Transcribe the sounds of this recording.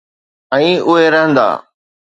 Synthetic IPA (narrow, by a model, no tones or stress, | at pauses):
ɛ̃ːʔʊɦeɾəɦə̃nd̪a̰ː